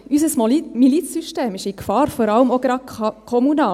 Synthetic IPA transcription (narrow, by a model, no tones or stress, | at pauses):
ʔysəsmɔmilit͡ssyʃteːmɪʃikfɑːɾfɔɾɑləmoɡ̥ɾɑdkʰɔmunɑː